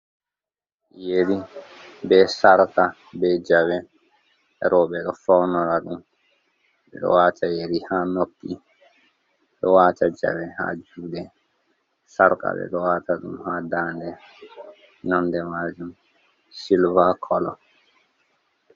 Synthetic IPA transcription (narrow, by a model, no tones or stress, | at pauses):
jeɾibɛsaɾka | bɛd͡ʒawɛ | ɾʔɔɓɛɗɔfawnɔɾaɗum | ɓɛ̰ɗɔ̰waːtʰajeɾihanokːi | ɗɔwaːtad͡ʒa̰wɛha̰d͡ʒuːɗɛ | saɾka̰ɓɛ̰ɗɔwaːtaɗumhadaːndɛ | nandɛmad͡ʒum | silvakʰɔlɔ